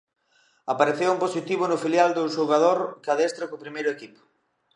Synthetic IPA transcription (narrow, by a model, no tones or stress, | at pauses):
apaɾeθewumposit̪iβ̞ʊnʊfiljald̪oʃoɣaðoɾkaðest̪ɾokopɾimejɾʊekipo̥